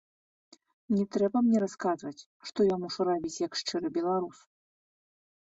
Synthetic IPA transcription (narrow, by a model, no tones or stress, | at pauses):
nʲɛt̪ɾɛbɐmnʲɛɾaskazvɐt͡sʲ | ʂt̪ɔjɔnmuʂuɾabʲit͡sʲjɐkʂt͡ʂɨɾɨbʲɛlˠaɾus